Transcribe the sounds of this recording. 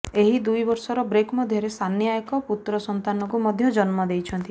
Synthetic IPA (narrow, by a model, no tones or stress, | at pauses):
eɦid̪ujbɔɾsɔɾɔbɾekmɔd̪ʱjɔɾesanjajkɔput̪ɾɔsɔnt̪anɔkumɔd̪ʱjɔd͡ʒɔnmɔd̪ejt͡ʃʰɔnt̪i